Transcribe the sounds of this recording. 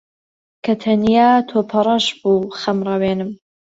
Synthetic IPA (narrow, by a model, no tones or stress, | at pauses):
kʰɐt̪ʰɐnjaːt̪ʰoːpʰɐɾˤɐʃbuːxɐmrˤɐweːnɨm